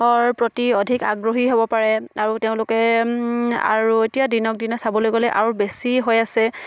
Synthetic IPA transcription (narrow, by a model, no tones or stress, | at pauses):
ɔɹpɹotiɔdʱika̰ɡɹoɦiɦobɔpaɹɛaɹuteʊ̃lʊkɛ | a̰ɹuetijadinɔk̚dinɔsabɔlojɡɔlɛʔa̰ɹubesiɦojasɛ